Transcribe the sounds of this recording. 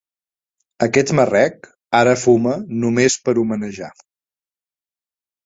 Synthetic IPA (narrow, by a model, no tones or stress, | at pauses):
əkɛt̪mərɛk | aɾəfumənumespəɾumənəʒa